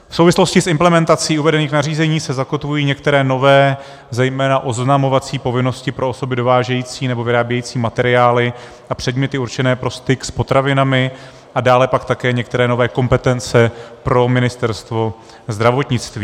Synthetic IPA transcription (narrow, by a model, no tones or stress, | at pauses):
fsowvɪslo̞scɪsʔɪmplɛmɛnt̪at͡siːuvɛdɛniːxnariːzɛɲiːsɛzakot̪vujiːɲɛk̚t̪ɛɾɛːno̞vɛː | zɛjmɛːnaʔo̞znamo̞vat͡siːpo̞vɪno̞scɪpɾʔo̞oso̞bɪdo̞vaːʒɛjiːt͡siːnɛbo̞vɪɾaːbjɛjiːt͡siːmat̪ɛɾɪaːlɪ | apr̥ɛdmɲɛt̪ɪuɾt͡ʃɛnɛːpɾo̞st̪ɪkspo̞t̪ɾavɪnamɪ | ʔadaːlɛpakt̪akɛːɲɛk̚t̪ɛɾɛːno̞vɛːko̞mpɛt̪ɛnt͡sɛpɾo̞mɪnɪst̪ɛɾst̪vo̞ | zd̪ɾavo̞t̪ɲɪt͡st̪viː